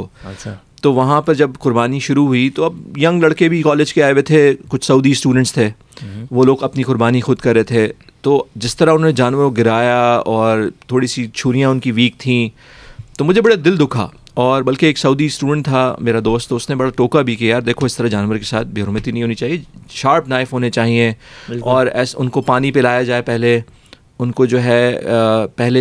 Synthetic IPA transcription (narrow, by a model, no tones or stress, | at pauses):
oɐ | t̪oːʋɐɦãpɐɾd͡ʒɐbqʊɾbaːniʃʊɾuɦʊit̪oɐb̚jɐ̃ŋɡlɐɽkebʱikɔːleːd͡ʒkeaːeʋet̪ʰekʊt͡ʃʰsɐuːd̪isʈuːɖə̃ɳʈst̪ʰeː | ʋoːloːɡɐpnikʊɾbaːnixʊd̪kɐɾːet̪ʰe | t̪oːd͡ʒɪst̪ɐɾaʊnɦoːned͡ʒaːnʋəɾoɡɪɾaːjaɔːɾt̪ʰoːɽisit͡ʃʰuːɾijãʊnkiʋiːk̚t̪ʰĩ | t̪omʊd͡ʒʱebɐɽad̪ɪld̪ʊkʰa̰ː | ɔːɾbɐlkeeːksɐuːd̪isʈuːɖə̃ɳʈ̚t̪ʰameːɾad̪oːst̪toʊstnebɐɽaʈoːkabʱikijaːɾd̪eːkʰoɪst̪ɐɾad͡ʒaːnʋəɾkesaːt̪̚ʰbʱeːɾomət̪inɐɦĩɦoːnit͡ʃaːɦieʃaːɾpnaːɪfɦoːnet͡ʃaːɦiẽɔːɾɛ̰ːsʊ̰nkopaːnipelaːjad͡ʒaːepɛɦle | ʊnkod͡ʒoːɦɛ | pɛɦle